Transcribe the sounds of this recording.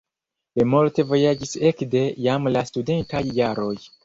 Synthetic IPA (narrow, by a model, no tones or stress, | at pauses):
limulte̞vo̞jad͡ʒise̞kde̞jamlastude̞ntajːaɾo̞j